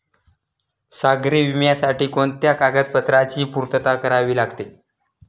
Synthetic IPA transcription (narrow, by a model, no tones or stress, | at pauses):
saɡɾiːʋimjasaʈiːkoɳt̪jakaɡət̪̚pət̪ɾat͡ɕiːpuɾt̪ət̪akəɾaʋiːlaɡt̪e